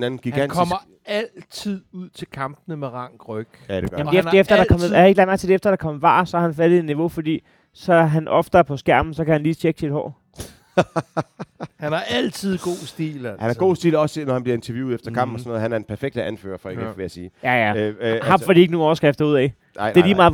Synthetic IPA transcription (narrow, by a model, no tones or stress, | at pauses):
nænn̩ɡ̥iɡnkʰɒmɐ | ælt͡sʰið̰ˠuð̰ˠt͡sʰe̝lkʰɑ̈mb̥nəmeʁɑ̈ŋ̰ɡ̥ʁœɡ̥de̥mdeefdefd̥ɐd̥ɑkʰɒ̽mˠjhe̝ɡ̥læɐmæɐ̰̥t͡sʰedeefd̥ɐɾ̥ɑ̈kʰɒ̽mʋɑ̰̈ːsɒ̽hɑhænfæl̥ð̩ˠe̥niʋo̝fɒd̥ḭː | sɒ̽æɦænʔɒ̽fd̥əæɐpʰɒ̽sɡ̥æɐ̰mn̩sɒ̽kæhænliːt͡ɕʰeɡ̥sid̥hɒ̰ː | hænææl̰t͡sʰið̰ˠɡ̥o̝̰ːsd̥ḭːlæhænæɐɡ̥o̝̰ːsd̥ḭːlɒ̽snɒhænb̥liɐe̝nt͡sʰɐjṵːefd̥ɐkʰɑ̈m̰b̥m̩ɒsɔnoɔːðˠhænæɐdenpʰæɐfeɡ̥̚d̥əʔænfø̰ːɐfɒeɡeʋeæɐsiːjæjæhɑ̈fɒd̥iːe̝ɡ̥ənuːɒːsɡ̥afd̥ɐuð̰ˠɛ̰ɪ̥ | e̝ɐliːmɑ̈ːðˠ